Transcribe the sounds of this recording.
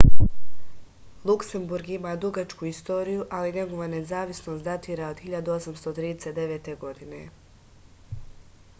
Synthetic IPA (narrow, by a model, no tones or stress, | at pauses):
lˠukse̞mbuɾɡimaːd̪uɡat͡ʃkuist̪o̞ːɾijuʔaliɲe̞ɡoʋane̞zaːʋisno̞st̪at̪iːɾaod̪hiʎad̪uo̞samst̪ot̪ɾiːd̪e̞set̪d̪e̞ʋeːt̪e̞ɡo̞d̪ine̞